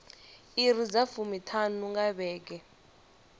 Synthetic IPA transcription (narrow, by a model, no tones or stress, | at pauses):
irizafumitʰanuŋɡaɓɛːk̬ɛ